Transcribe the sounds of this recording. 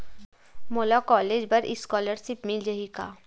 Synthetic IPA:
moːlakɔːleːd͡ʒbɐɾɪskɔːləɾsɪpmɪld͡ʒɐɦika̰ː

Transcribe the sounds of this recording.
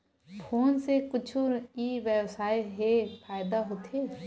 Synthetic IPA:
pʰoːnsekʊt͡ʃʰuiʋjəwsaːeɦepʰaːɪd̪aɦoːt̪ʰe

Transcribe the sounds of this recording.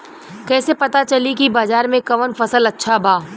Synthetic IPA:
kɛːsepɐt̪at͡ʃɐlikibaːzaːɾmẽkɐʋənfɐsəlɐtːʃʰabʱaː

